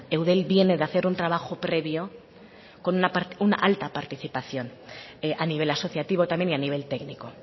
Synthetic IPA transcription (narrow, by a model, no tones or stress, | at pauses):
e̞wðe̞lbje̞ne̞ðaθe̞ɾunt̪ɾaβ̞axo̞pɾe̞βjo̞ | ko̞nunapaɾuna̰ʔalt̪apaɾt̪iθipaθjo̞neʔaniβ̞e̞laso̞θjat̪iβ̞o̞t̪amje̞nianiβ̞e̞lt̪e̞kniko̞